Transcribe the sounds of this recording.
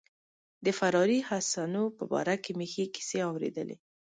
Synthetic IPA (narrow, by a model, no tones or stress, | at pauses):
d̪əfaɾɑɾihasanopəbɑ̰ɾakemexeki̥seawɾḛd̪ə̰lḛ